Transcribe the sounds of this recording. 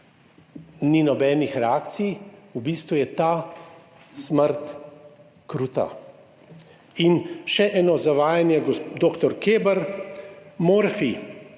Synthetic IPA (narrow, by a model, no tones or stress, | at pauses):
ninɔbɛːnixɾɛaːkt̪sijubiːst̪ʋujɛt̪aː | sməɾt̪ | kɾuːt̪a̰ | inʃɛʔɛːnɔzaʋaːjanjɛɡd̪oːkt̪ɔɾkeːbəɾ | moːɾfi